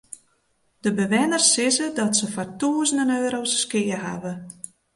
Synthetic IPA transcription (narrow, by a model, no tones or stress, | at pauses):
d̥əbəʋɪnərsɪzədɔtsəfɔrtuəzəndənøːɾowsskɪərɦa̰və